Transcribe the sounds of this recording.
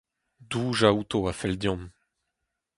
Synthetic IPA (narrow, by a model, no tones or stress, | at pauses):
d̪uːʒaut̪oafɛld̪jɔ̃m